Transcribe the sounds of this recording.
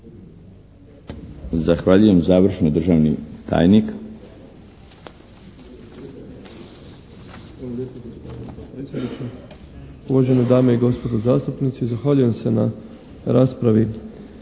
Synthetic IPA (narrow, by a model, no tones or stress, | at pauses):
zaxʋaʎuje̞mzaːʋr̩ʃnod̪ɾʒaːʋnḭt̪ʰa̰ːjnik | alojeːpoɡospod̪ipɾesjed̪nit͡ʃe | uʋaʒe̞nod̪aːmeiɡo̞spo̞d̪ozaːst̪upnit̪siizaxʋaːʎuje̞mse̞na | ɾaːspɾaʋi